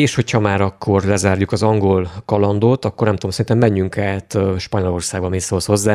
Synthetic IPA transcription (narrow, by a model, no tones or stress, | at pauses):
eːʃho̞chɒmaːɾɒkːo̞rlɛzaːrjukɒzɒŋɡo̞lkɒlɒnd̪oːt̪ɒkːornɛmt̪odomsɛint̪ɛmːɛɲːyŋkaːt̪ʃpɒɲo̞lo̞rsaːɡ̚bɒmisoːlsho̞zːaː